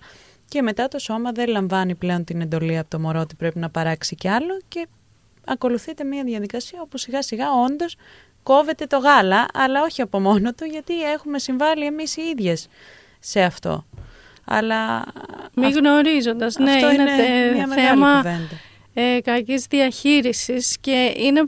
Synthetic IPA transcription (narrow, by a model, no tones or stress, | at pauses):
ce̞me̞t̪ɐt̪o̞so̞mɐðe̞lɐɱvɐniple̞o̞nt̪ine̞nd̪o̞liɐpot̪omo̞ɾo̞ot̪ipɾe̞pinɐpɐɾɐksiceɐlo̞ce̞ | ɐko̞luθit̪e̞miɐðʝɐðikɐsiɐo̞pusiɣɐsiɣɐo̞nd̪o̞s | ko̞ve̞t̪e̞t̪o̞ɣɐlɐʔɐlɐo̞çiɐpo̞mo̞no̞t̪uʝɐt̪ie̞xume̞siɱvɐlie̞misiiðʝe̞sː | e̞ɐft̪o̞̰ | ɐ̰lɐ | miɣno̞ɾizo̞nd̪ɐzneoineneeɐmeeɣɐmɐve̞net̪e | ekɐcizðiɐçiɾisisce̞ine̞